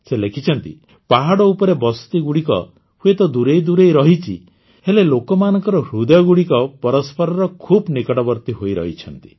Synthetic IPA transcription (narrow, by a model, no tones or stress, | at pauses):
selekʰit͡ʃʰɔnt̪ḭ | paɦaɽɔupɔɾebɔst̪iɡuɽikɔ̰ | huet̪ɔd̪uɾejd̪uɾejɾɔɦit͡ʃʰḭ | helelokɔmanɔŋkɔɾɔɦɾud̪ɔjɔɡuɽikɔpɔɾɔspʰɔɾɔɾɔkʰubnikɔɽɔbɔɾt̪iɦoijɾɔ̰ɦit͡ʃʰɔnt̪i̥